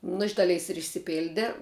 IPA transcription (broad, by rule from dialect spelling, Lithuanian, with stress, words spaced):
nʊ ɪʃ ˈdɑːˌlʲɛɪs ɪr ɪʃʲsʲɪˈpʲɪlʲdʲɛ